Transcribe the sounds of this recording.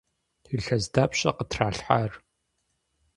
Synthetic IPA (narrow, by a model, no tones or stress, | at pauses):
iɬɐzdaːpʰɕʼɐqətʰraːɬħaːr